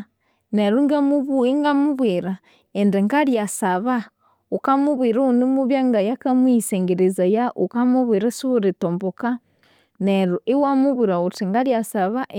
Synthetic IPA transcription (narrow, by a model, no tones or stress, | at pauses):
neɾuŋɡamuβuiŋɡamuβwiɾa | endeŋɡaɾjasaβa | ukamuβwiɾuunimuβjaŋɡajakamwiseŋɡeɾezajaʔukamuβwiɾasuuɾitomboka | neɾuʔewamuβiɾautiŋɡaɾjasaβaʔ